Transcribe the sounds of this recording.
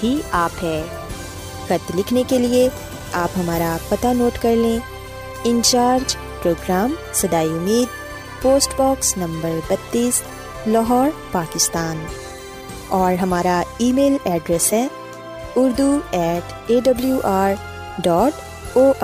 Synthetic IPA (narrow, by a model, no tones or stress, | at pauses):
iaːpɦɛː | xɐt̪lɪkʰnekelie | aːpɦɐmaːɾapɐt̪anoːʈkɐɾlẽ | ɪ̃nt͡ʃaːɾd͡ʒ | pɾoːɡɾaːm | sɐd̪aːiʊmiːd̪̚ | poːsʈbɔːksnɐ̃mbəɾbɐt̪ːiːs | lɔɦɔːɾpaːkɪst̪aːn | ɔːɾɦɐmaːɾaiːmeːlɛːɖɾɛsɦɛː | ʊɾd̪uɛːʈ | eːɖɐbljuʔaːɾ | ɖɔːʈ | oːʔ